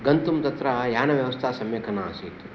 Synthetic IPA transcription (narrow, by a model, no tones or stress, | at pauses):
ɡɐnt̪umt̪ɐt̪ɾɐjaːnɐʋjɐʋɐst̪ʰaːsɐmjɐkʰɐnaasit̪u̥